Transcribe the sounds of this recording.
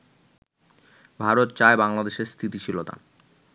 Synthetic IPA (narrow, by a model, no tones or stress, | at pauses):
bʱaɾot̪̚t͡ɕaebaŋlad̪eʃeɾst̪ʰit̪it͡ɕʰilot̪a̰